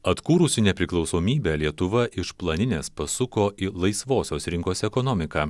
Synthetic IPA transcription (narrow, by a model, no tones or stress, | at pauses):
ɐt̪kuːɾʊsʲɪnʲɛpʲɾʲɪklˠɒʊsoːmʲiːbʲæːlʲiɛt̪ʊʋɐʔɪʃplˠɐnʲɪnʲeːspɐsʊkoːʔilˠɐɪsʋoːsʲoːsɾʲɪŋkoːsɛkɔnɔmʲɪkɑː